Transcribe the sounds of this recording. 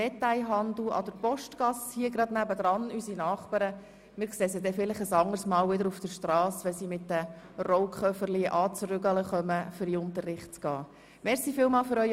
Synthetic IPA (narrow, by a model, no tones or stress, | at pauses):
dɛt̪æɪɦɑnd̪l̩ɑ̰d̥əpɔʃtɡ̥ɑshiəɡɾɑd̥̪næbəd̪ɾɑnysinɑːχpɑɾə | mɪɾkseːsədɛfɪlɪχəsɑŋəɾsmɑːlʋɪdəɾufd̥əɾʃtrɑːsʋɛnsiːmɪtdə | rɔʊkχœfərliʔɑːt͡sɾʏɡɑləχœməfʏɾiʊnt̪ərːɪχtt͡sɡ̥ɑː | mɛɾsiːfɪːlmɑːlfʏɾœʏ